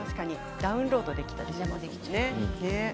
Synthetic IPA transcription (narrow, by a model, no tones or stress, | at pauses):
aɕɨ̥kaɲ̟i | d̪̥aɯ̟̃nɾo̞ːd̪o̞d̪e̞kʲi̥t̪ad̪es | nene